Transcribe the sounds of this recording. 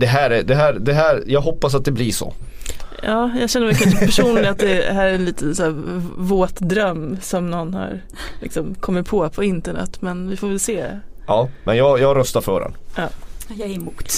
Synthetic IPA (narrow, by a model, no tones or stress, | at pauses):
d̪̥ɛɦæːɾæd̪ɛɦæːɾd̪ɛɦæːɾjɑːɡɦɔpːas̬at̪̚d̪ɛbliʂɔ̰ | ɑːjɑɡɕɛnːəmɛlkʰanʂəpʰæʂunːnɪat̪̚d̪ɛɦæːɾæɛnliːt̪ənsæːvoːt̪d̪ɾœmːsɔmnɔnːha̰ɾ | lɪ̰ksɔmkʰɔmːɪt̪̚pʰoːpʰɔɪnt̪əɳɛ̰t̪ːmɛnvɪfoːvɛlseːɑːmʔɛ̰njɑːɡjɑːɡɾœst̪aɾfœ̰ːɾɛ̰nʔɑːjɑɛmuːt̪